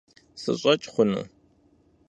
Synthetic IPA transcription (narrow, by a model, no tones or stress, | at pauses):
sɨ̰ɕʼɐt͡ʃʼχʷʊnṵː